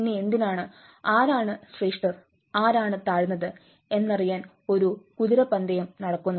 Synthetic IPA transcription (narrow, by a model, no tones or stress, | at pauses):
nːeend̪inaːɳɨ | aːɾaːɳɨsriːʂʈɐr | aːɾaːɳɨt̪aːɻnːɐðɨ | e̞nːɐrijaːn | o̞ɾukuðiɾɐpɐnd̪ɐjɐmnɐɽɐkːunːɐ